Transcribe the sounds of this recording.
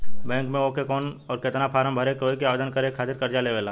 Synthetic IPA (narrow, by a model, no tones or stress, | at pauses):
bɛ̃ːŋkmẽokekɔːnɔːɾkɪt̪napʰaːɾəmbʱəɾekoːikeaːʋeːd̪ənkəɾekʰaːt̪ɪɾkɐɾd͡ʒaleʋeːlaː